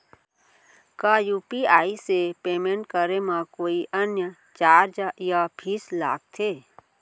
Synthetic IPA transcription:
kajuːpiaːisepeːmẽɳʈ̚kəɾemãkoːiʔənjə | t͡ʃaːɾd͡ʒjapʰiːsla̰ːɡ̚t̪ʰeː

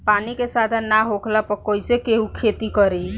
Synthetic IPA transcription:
panikesad̪ʱənːaɦokʰlapəkojsekeɦukʰet̪ikəɾi

